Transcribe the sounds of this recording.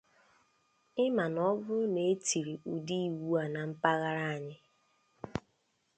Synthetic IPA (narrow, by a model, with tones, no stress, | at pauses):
ɪ˦ma˨nɔ˦bʊ˦ne˨e˦ti˨ɾi˨ʔu˨di˦i˨wu˦a˨na˨m̩˦pa˦ɣa˦ɾa˦a˨ɲɪ˦